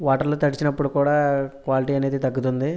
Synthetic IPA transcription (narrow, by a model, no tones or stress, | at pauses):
ʋaːʈɐɾloːt̪ɐɽit͡ʃinɐpːuɽukuːɽaːkʋaːliʈiːɐne̞ːd̪it̪ɐɡːut̪und̪i